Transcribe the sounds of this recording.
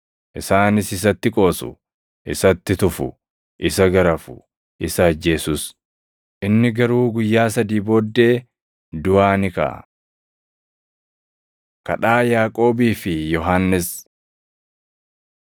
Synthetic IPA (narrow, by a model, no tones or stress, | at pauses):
ʔɪsaːnɪsɪs̬ɐt̪ːɪkʼo̞ːsʊ̰ | ʔɪ̰sɐt̪ːɪt̪ʊfʊ̰ | ʔɪsɐɡɐɾɐfʊ | ʔɪsɐːd͡ʒːe̞ːsʊs | ʔɪnːɪɡɐɾuːɡʊjːaːsɐd̪iːbo̞ːd̪ːe̞ː | d̪ʊaːnɪkɐ̰ | kɐᶑaːjaːkʼo̞ːbiːfɪjɔɦanːɪs